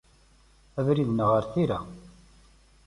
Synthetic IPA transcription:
ævɾiðnəʁəɾθiɾa

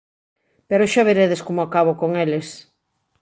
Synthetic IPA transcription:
peɾoʃaβeɾeðeskomoakaβokoŋeles

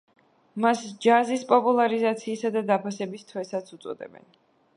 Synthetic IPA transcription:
masd͡ʒazispʼɔpʼulˠaɾizat̪sʰiːsad̪ad̪apʰasɛbist̪ʰwɛsat̪sʰut̪sʼɔ̰d̪ɛ̰bɛ̰n

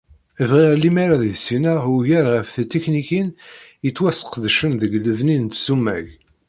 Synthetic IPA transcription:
əvʁiʁlimaɾaðiðsinəʁuʝæɾʁəfθət̪ːeknikinjət͡sːwæsə̥qðʃənðəɡləvnint̪sumːæ̰ʝ

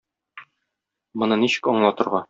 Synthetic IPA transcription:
mŏnɤniɕɘ̥̆kɒɴlˠɑt̪ɤ̆ɾʁɑ

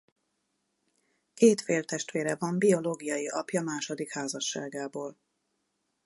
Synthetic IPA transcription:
keːt̪feːlt̪ɛʃt̪ʋeːɾɛvɒmbio̞loːɡijɒjiʔɒpjɒmaːʃod̪ikhaːzɒʃːaːɡaːboːl

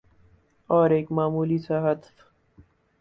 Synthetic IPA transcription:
ɔːɾeːkmaːmuːlisaɦət̪

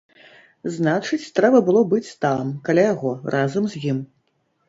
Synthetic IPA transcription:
znat͡ʂɨt͡sʲt̪ɾɛbɐbɨlˠɔbɨt͡sʲt̪amkalʲajaɣɔrʔazɐmzʲjim

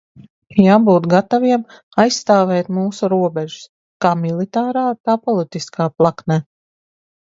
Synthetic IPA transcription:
jaːbuːt̪ɡat̪aviɛm | ajsːt̪aːvɛːt̪muːsuɾuɔbɛʒʊ̥s | kaːmilˠit̪aːɾaːt̪aːpɔlˠit̪iskaːplˠaknɛː

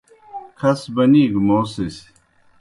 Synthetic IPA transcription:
kʰɐsbɐniːɡmoːsis

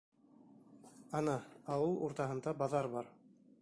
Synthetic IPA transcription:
ɑnɑɑwɤlˠuɾt̪ɑɦɤ̆nd̪ɑbɑðɑɾbɑɾ

